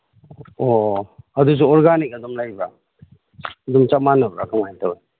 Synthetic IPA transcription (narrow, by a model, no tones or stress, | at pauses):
oɐdus̬uɔɾɡanik̚ɐdɔmlajba | dumt͡ʃamanabɾakʰaŋajtaw